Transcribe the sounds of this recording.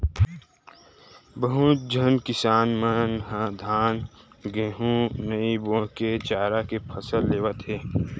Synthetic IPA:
bəɦud͡ʒʱənkɪsaːnmənɦãd̪ʱaːn | ɡẽːɦũnəiboːket͡ʃaːɾakepʰəsəlːeːʋət̪ɦeː

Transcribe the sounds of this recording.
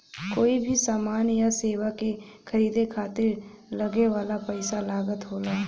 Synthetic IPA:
koːibʱisaːmaːnjaseːʋake | xʰɐɾiːd̪ekʰaːt̪ɪɾ | lɐɡeʋaːlapɛɪsalaːɡət̪ɦoːlaː

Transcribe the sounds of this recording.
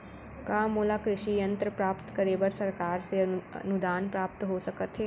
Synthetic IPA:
kaːmoːlakɾɪʃijə̃nt̪ɾəpɾaːpt̪kɐɾeːbəɾsɐɾkaːɾseə̰nʊd̪aːnpɾaːp̚t̪ɦosɐkət̪ɦɛː

